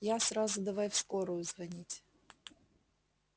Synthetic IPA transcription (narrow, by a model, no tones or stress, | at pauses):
jasɾazʊd̪ɐvajfskoɾʊjʊzvɐnʲitʲ